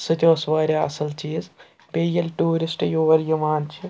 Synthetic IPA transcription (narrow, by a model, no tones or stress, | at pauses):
sɨt̪ʲoːsʋaːɾʲaɐ̰sɐlt͡ʃiːz | pʲejɐlʲʈuːɾisʈjoːʋɐɾjimaːnt͡ʃʰi